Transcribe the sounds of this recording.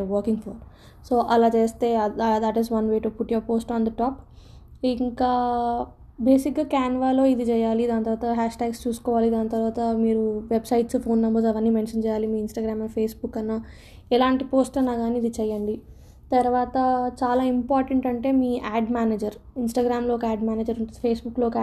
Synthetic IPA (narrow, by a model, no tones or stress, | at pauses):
ʋɐːɾkiŋɡpʰɐɾ | soːʔɐlaːt͡ʃe̞ːst̪e̞ːd̪ɐʈizʋɐnʋe̞ːʈupuʈjɐʋpoːsʈaːnd̪ɐʈaːp | iŋkaː | beːsik̚ɡaːkaːnʋaːlo̞ːid̪it͡ʃɛːjaːlid̪aːnɐt̪ɐɾʋaːt̪ɐɦaːʂʈaːɡst͡ʃuːsu̥kɔːʋaːlid̪aːnːɐt̪ɐɾʋaːt̪ɐmiːɾuʋebsɐjʈspʰoːnːɐmbɐɾsɐʋɐnːiːmenʂɐnt͡ʃɛːjaːlimiːinsʈaːɡɾaːmɐnpʰeːsbukːɐnːaː | ɛlaːɳʈipo̞ːsʈɐnːaːɡaːniːd̪it͡ʃɛjːɐɳɖi | t̪ɐɾʋaːt̪ɐt͡ʃaːlaːimpaːɾʈɐɳʈɐɳʈe̞ːmiːʔaːɖmaːneːd͡ʒɐɾinsʈaːɡɾaːmlo̞ːɔkɐaːɖmaːneːd͡ʒɐɾɐpʰeːsbukloːkː